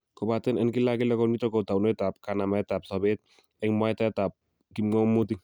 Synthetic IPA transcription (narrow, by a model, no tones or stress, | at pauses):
kɔbatɛnɛnkilakilɛkɔnmitɔkɔtawnojtap̚kanamaɛtap̚sɔbɛt̚ | ɛŋmwajtatap̚ | kimɔmːut̬iŋ